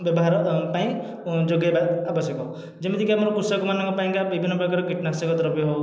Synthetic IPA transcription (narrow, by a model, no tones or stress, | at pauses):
bjɔbɔɦaɾɔpaĩ | d͡ʒoɡjabad̪abɔsjɔkɔ | d͡ʒemid̪ʰikiamɔɾɔkusɔkɔmanɔŋkɔpaĩkabibʱinːɔpɾɔkaɾɔkiʈnasɔkɔt̪ɔɾbjɔɦɔw